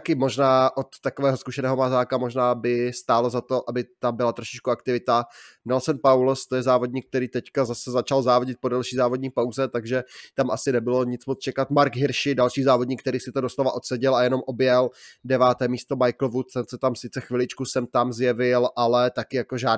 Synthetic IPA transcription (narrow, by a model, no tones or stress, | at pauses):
akɪmo̞ʒnaːʔot̪ːakovɛːɦoskuʃɛnɛːɦomazaːkamoʒnaːbɪst̪aːlo̞zat̪o̞ʔabɪt̪ambɪlat̪ɾoʃɪ̥t͡ʃkuakt̪ɪvɪt̪anɛlsɛnpawlst̪ojɛzaːvo̞dɲiːk̚t̪ɛɾiːt̪ɛckazasɛzat͡ʃalzaːvoɟɪt̪̚po̞dalʃiːzaːvod̚ɲiːpawzɛt̪aɡʒɛt̪amʔasɪnɛbɪlo̞ɲɪt͡smot͡st͡ʃɛkat̪maɾkɦɪɾʃɪdalʃiːzaːvodɲikt̪ɛɾiːsɪt̪odoslo̞vaʔo̞t̪sɛɟɪlajɛno̞mʔo̞bjɛldɛvaːt̪ɛːmiːst̪omajkl̩vut̪sɛnsɛt̪amsɪt͡sɛxvɪlɪt͡ʃkusɛmt̪amzjɛvɪlʔalɛt̪akɪjakoʒaː